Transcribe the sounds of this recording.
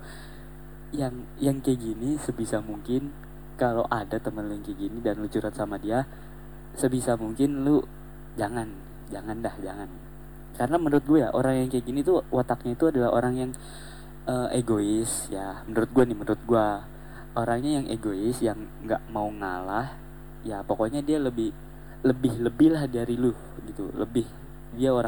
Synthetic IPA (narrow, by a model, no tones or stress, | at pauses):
jaŋ | jaŋkəɡinisəbisamuŋkɪn | kala̰wʔadat̪əmənlujaŋkəɡinidanlut͡ʃuɾat̪samadia | səbisamuŋkɪnlu | d͡ʒaŋan | d͡ʒaŋandahd͡ʒa̰ŋan | kaɾənamənuɾʊt̪̚ɡuaja̰ʔo̰ɾaŋjaŋkəɡinit̪uwat̪ak̚ɲait̪uadalaɦo̰ɾaŋjaŋ | əːʔeɡoɪs | jamənəɾʊt̪̚ɡuanɪmənəɾʊt̪̚ɡua | oɾaŋɲajaŋʔḛɡoɪsjaŋ | ɡa̰ʔmauŋalah | japokoɲadialəbɪh | ləbɪhləbɪhlahdaɾilu | ɡit̪ṵlə̰bɪh | diaoɾa